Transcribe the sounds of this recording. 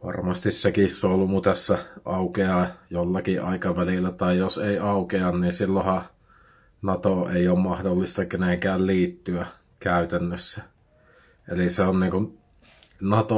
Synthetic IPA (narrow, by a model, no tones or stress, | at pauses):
ʋɑ̰rmɑst̪issekisːoolːumut̪æsːæʔɑukeɑjolːɑkiʔɑ̰ˑikɑʋælilːˑæt̪ɑˑijjoseˑiɑukeɑnniːnsilːohɑ | nɑt̪oʔeˑioːmmɑhdolːist̪ɑkeneŋkæːlliːt̪ːyæ | kæˑyt̪ænːøsːæ | ʔḛliseonniːŋkun | nɑt̪o